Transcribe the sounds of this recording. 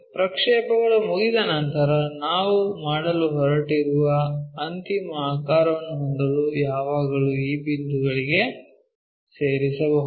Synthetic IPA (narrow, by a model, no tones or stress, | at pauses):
pɾɐkʂɛːpɐɡɐɭumuɡid̪ɐnɐnt̪ɐɾɐnaːʋumaːɽɐluɦɔɾɐʈiɾuʋɐɐnt̪imɐaːkaːɾɐʋɐnːuɦɔnd̪ɐlujaːʋaːɡɐɭuiːbind̪uɡɐɭiɡe̞ | seːɾisɐbɐɦu